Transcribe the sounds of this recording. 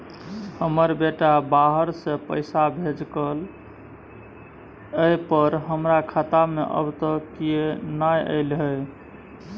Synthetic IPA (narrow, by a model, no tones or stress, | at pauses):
həməɾbeʈabaɦəɾsẽpə̰ɪsabʱed͡ʒkəl | əjpəɾɦəmɾakʰat̪amḛʔə̰bt̪əkijenajə̰ɪlɦəj